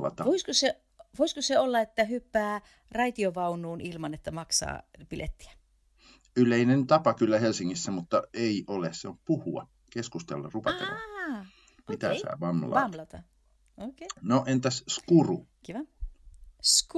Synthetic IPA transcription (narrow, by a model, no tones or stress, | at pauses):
lɑ̰t̪ɑʋoiskose | ʋoiskoseolːɑet̪ːæhypːæː | rɑit̪ioʋɑunuːnilmɑnet̪ːæmɑksɑ̰ːpilʔḛt̪ːi̥æ̥ | yleinent̪ɑpɑkylːæhelsiŋːisːæmut̪ːɑeiʔolesseomppuhuɑ̰ | keskust̪ḛlːɑ̰rupɑt̪ḛlːˑɑ | mit̪æ̰sæ̰ːʋɑmlɑmlɑt̪ɑ | okenoʔent̪æsskurukiʋɑ | s